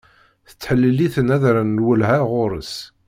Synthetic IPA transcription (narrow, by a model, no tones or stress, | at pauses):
θə̥t͡sːħəlːiliθənæðɾænːwəlhæʁʊɾəs